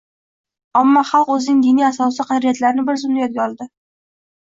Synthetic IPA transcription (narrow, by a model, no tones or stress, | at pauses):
amːɒχɑlˠqɵzɪnɪŋd̪inijasɒsɪqʰɑd̪ɾijat̪laɾɪnɪbɪɾzʊmd̪ajɒt̪̚ɡʲaɒlˠd̪ɪ